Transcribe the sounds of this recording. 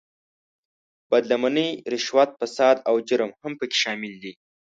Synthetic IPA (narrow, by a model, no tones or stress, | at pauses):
b̥ad̪lamanəjɾɪʃwat̪̚fasɑd̪awd͡ʒəɾmhampəkʲe̥ʃɑmɪld̪i